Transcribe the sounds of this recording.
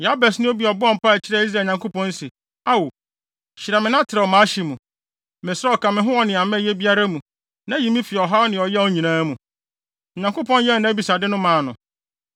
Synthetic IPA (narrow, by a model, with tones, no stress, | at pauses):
ja˦bɛ˨snɪ̃˦o˦bi˨˦ɔ˨bʊ˦ɔ˦m̩˨pa˦æ˨t͡ɕʰɪ˦ɾa˦i˦s̬ɾaː˨ɲã˨ŋkʰo˦pɔ̃˦n˦se˨ | a˦wo˨ | ɕɪ˨ɾa˨mɪ̃˨nã˦tʰɪ˨ɾa˨ɔ˨mãː˨˦ɕi˨mũ˨ | mɪ˨sa˦ɔ˨kʰã˨mɪ̃˨˦ɦʊ̃˦ɔ˦nɪ̃˨a˨mɛ̃˦˨jɛ˦bi˦a˦ɾa˦mũ˨ | nã˦ji˨mĩ˦fi˨ɔ˨ɦa˦nɪ̃˨ɔ˨jɛ˦ɔ˨˦ɲĩ˨nãː˦mũ˨ | ɲã˨ŋko˦pɔ̃˦n˦jɛ˦˨nã˨˦bi˨sa˨dɪ˦nʊ̃˦mãː˨nʊ̃˨